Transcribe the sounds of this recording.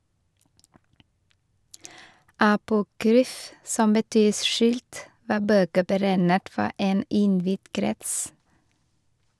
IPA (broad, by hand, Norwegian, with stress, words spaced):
ɑpʊˈkɾyːf ˈsɔm bəˈtyː ˈʃʉːlt ˈʋɑː ˈbøːkə bəˈɾæɪnət ˈfɔ ˈeːn ˈɪnˌʋɪd ˈkɾɛts